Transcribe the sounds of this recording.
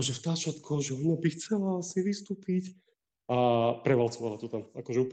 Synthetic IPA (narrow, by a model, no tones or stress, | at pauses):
ɔʒɛft̪aːt͡ʃat̪kʰɔʒɛɔɲabixt͡sɛlaasiʋist̪uːpic | apɾɛʋalt͡sɔʋalat̪ɔt̪amakɔʒɛuːp